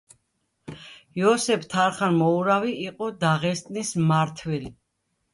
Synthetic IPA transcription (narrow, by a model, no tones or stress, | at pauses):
jɔsɛpʰt̪ʰaɾχanmɔuɾaviːqʼɔd̪aʁɛst̪ʼnismaɾt̪ʰwɛli